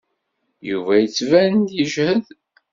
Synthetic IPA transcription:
juvæjət͡sːvænnd̪jəʒhəð

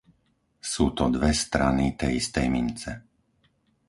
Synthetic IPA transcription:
suːt̪ɔd̪ʋɛst̪ɾanit̪ɛjist̪ɛjmint͡sɛ

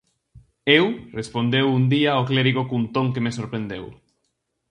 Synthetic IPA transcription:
ewrespond̪ewund̪iaokleɾiɣokunt̪õŋkemesoɾpɾend̪ew

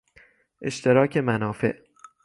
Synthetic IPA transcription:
ʔe̞ʃt̪ʰe̞ɾɒːcʰemænɒːfe̞̰ʔ

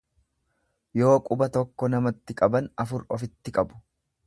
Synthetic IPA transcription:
jo̞ːkʼʊbɐt̪ɔkːɔnɐmɐt̪ːɪkʼɐbɐnɐfʊɾɔfɪt̪ːɪkʼɐbʊ̥

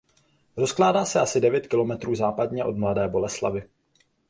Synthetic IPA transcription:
ɾo̞sklaːdaːsɛasɪdɛvjɛt̪kɪlo̞mɛt̪ɾuːzaːpadɲɛʔo̞dmladɛːbo̞lɛslavɪ

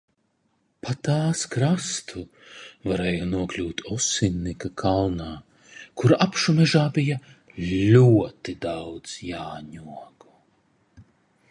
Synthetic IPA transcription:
pat̪aːskɾast̪ʰu | vaɾɛːjɔnuɔklʲuːt̪ɔsinːikakʰalˠnaː | kuɾapʃumɛʒaːbija | lʲuɔt̪id̪awd̪z̥jaːɲuɔɡu

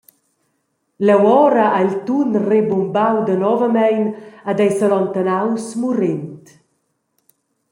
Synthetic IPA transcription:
lɛwɔɾəʔailt̪unrebumbawd̪ənɔvəmɛjnad̪ɛjsalɔnt̪anawsmuɾɪnt̪

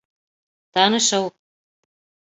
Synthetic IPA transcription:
t̪ɑnɤ̆ʃɤ̆w

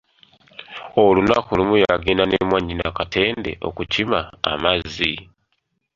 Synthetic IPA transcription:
olunakulimujaɡiːnanemwaɲinakatʰe̞ːnde̞̰ʔo̞̰kucima̰ːmazːi

